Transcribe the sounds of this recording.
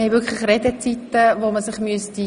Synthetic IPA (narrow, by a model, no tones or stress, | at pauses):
ɛvʏkʰlɪχrɛdət͡sitəvoːməsɪχmyəsti